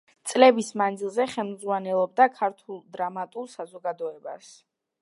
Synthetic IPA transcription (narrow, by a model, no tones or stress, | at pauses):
t̪sʼlɛbismand̪zilˠzɛχɛlˠmd̪zʁwanɛlˠɔb̚d̪akʰaɾt̪ʰulˠd̪ɾamat̪ʼulˠsazɔɡad̪ɔɛba̰s